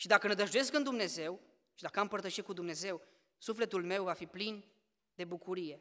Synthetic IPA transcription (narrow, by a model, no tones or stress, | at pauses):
ʃid̪akəned̪əʒd̪uje̞skɨnd̪umne̞ze̞w | ʃid̪akəampərt̪əʃiekud̪umne̞ze̞w | sufle̞t̪ulme̞wvafiplin | d̪e̞bukuɾije̞